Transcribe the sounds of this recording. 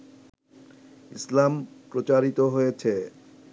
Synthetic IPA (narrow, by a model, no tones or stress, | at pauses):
islampɾot͡ɕaɾit̪oɦojet͡ɕʰe